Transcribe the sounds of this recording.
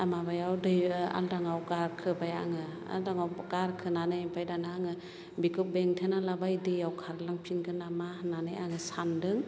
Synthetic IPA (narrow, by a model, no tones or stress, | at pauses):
amabajawdɯja̰ldaŋawkaɾkʰɯbaja̰ŋɯ | a̰ldaŋawkaɾkʰɯnanɯjmpʰajdanaaŋɯ | bikʰɯp̚beŋtʰenalabajdɯjawkʰaɾlaŋpʰinkʰɯnamananɯja̰ŋɯsandɯŋ